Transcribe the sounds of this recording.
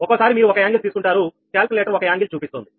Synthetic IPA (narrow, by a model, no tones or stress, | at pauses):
ɔkosaːɾimiːɾuɔkɐjaːŋɡilt̪iːsukuɳʈaːɾukaːlkuleːʈɐɾɔkɐjaːŋɡilt͡ʃuːpist̪ond̪i